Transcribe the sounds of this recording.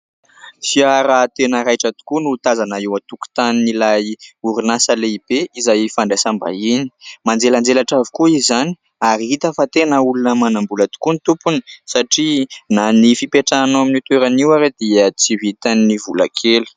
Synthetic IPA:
fiaɾat̪enəɾajʈ͡ʂat̪u̥kunut̪azanaiwat̪uku̥t̪aninilajuɾinasəleib̥eizajfaɳɖ͡ʐesamba̰inimand͡zeland͡zelaʈ͡ʂavikuizani̥ | aɾiɦit̪əfat̪enəulunəmanambulat̪u̥kunit̪upunisaʈ͡ʂinanifipeʈ͡ʂanaminit̪eɾaniwaɾed̪̥iət͡siɦit̪anːivula̰kʰelu̥

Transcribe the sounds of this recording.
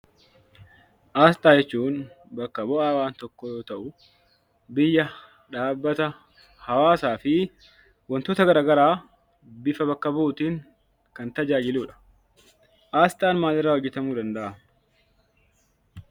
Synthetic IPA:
ʔaːst̪ʼaːd͡ʒɛt͡ʃːuːn | bɐkːɐbɔʔaːwaːnt̪ɔkːɔjo̞ːt̪ɐʔʊ | bɪjːɐ | ᶑaːbːɐt̪ɐ | hɐwaːsaːfɪ | wɐnt̪oːt̪ɐɡɐɾaːɡɐɾaː | bɪfɐbɐkːɐbuːt̪iːŋ | kɐnt̪ɐd͡ʒaːd͡ʒɪluːᶑɐ̥ | ʔaːst̪ʼaːnmaːlɪrːaːhɔd͡ʒːɛt̪ɐmuːd̪ɐnd̪ɐʔɐ

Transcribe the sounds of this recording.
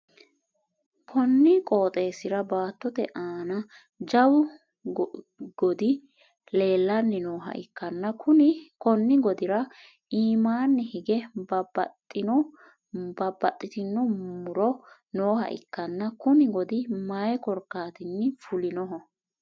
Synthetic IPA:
kʰɔnːɪkʼo̞ːt̪ʼe̞ːsɪɾɐbaːt̪ːɔt̪ɛ̰ʔaːnɐ | d͡ʒɐwʊ | ɡ̥ɔd̪ɪ | le̞ːlːɐnːɪnoːɦɐ̰ʔɪkːɐnːɐkʰʊnɪkɔnːɪɡɔd̪ɪɾɐ | iːmaːnːɛhɪɡɛb | bɐbːɐt̪ʼːɪt̪ɪnːɔmʊɾɔ | noːhɐ̰ʔɪ̰kːɐnːɐkʊnɪɡɔd̪ɪmɐjɛkɔɾkːaːt̪ɪnːɪfʊlɪnɔɦɔ

